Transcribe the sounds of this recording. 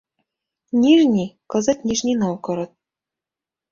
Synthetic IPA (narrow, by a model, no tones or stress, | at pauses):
nʲiʒnʲikɤ̆zɤ̆t̪ʲnʲiʐnʲinɑwkɤ̆ɾɤ̆t̪̚